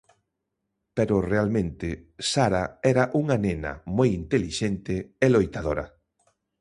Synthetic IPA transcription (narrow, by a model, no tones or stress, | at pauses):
peɾʊrealmẽnt̪ɪsaɾaɛɾɐʔuŋanenɐ̰mojint̪eliʃent̪ɪelojt̪aðoɾɐ